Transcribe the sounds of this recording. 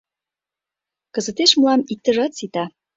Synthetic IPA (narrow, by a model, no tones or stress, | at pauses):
kə̆zə̆t̪eʃmulɑmik̚t̪ə̆ʒɑt̪sit̪ɑ